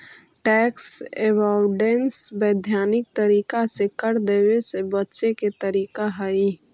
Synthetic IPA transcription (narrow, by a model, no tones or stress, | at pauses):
ʈɛːksebaʊɖensbɛːd̪ʱjaːnɪk̚t̪əɾiːkasekəɾd̪eːwesebətːʃeket̪əɾiːkaɦəi